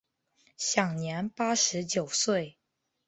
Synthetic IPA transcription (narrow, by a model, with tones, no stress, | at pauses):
ɕjɑ˨˩ŋnjɛ˧˥npa˥ʂɻ̩˧˥t͡ɕjo˨˩ʊswe˥˩ɪ